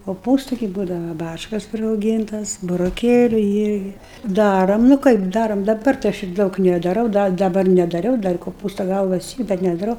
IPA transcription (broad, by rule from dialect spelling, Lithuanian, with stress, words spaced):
koːˈpuːstʊ ɡʲɪ ˈbuːdɐʋɐ ˈbɑːt͡ʃkɐs pʲrʲɪrɐʊˈɡʲiːntɐs bʊroːˈkʲeːlʲʊ ˈɪrʲɡʲɪ ˈdɑːroːm nʊ ˈkɐɪp ˈdɑːroːm dɐˈbɐr tɐɪ ˈɐʃ ɪr ˈdɐʊk nʲɛdɐˈrɐʊ ˈdɐ dɐˈbɐr nʲɛdɐˈrʲɛʊ ˈdɐr koːˈpuːstɐ ˈɡɐlˠʋɐs ˈiː ˈbʲɛt nʲɛdɐˈrɐʊ